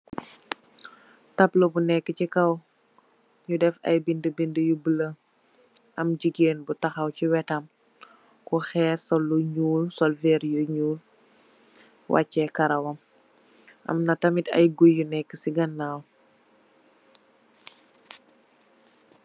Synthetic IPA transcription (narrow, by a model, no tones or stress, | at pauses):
tɐplɔbunɛkːət͡ʃikɐw | ɲudɛfɐ̰jbindəbindəjubələ | ʔɐmd͡ʒiɡeːnbutɐxɐwciwɛtɐm | kɔxɛːsɔlːuɲuːlsɔlvɛːɾjuɲuːl | wʔɐ̰cːɛkɐɾɐwɐm | ʔɐ̰mnɐtɐmitɐ̰jɡujːunɛkːəsiɡɐnːaw